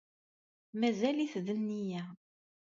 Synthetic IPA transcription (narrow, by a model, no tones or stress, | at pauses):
mæzæliθðənːijæ